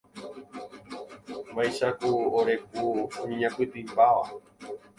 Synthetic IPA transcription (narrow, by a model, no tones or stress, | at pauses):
bajʃakuoɾe̞k̚uɲĩɲãkʷɨt̪ɨpaʋa